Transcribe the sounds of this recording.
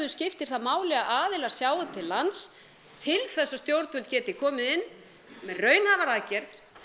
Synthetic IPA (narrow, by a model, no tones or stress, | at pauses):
ðʏscɪft̪ɪɾ̥θaðmaːwlɛɣaʔaːðɪlaɾ̥sjaːwat̪ʰɪlːant̪s | t̪ʰɪlθɛsːast̪jowɾt̪vʏlt̪cɛːt̪ɪkʰɔːmɪðɪnː | mɛrœːɥnhavaɾaðcɛɾðɾ̥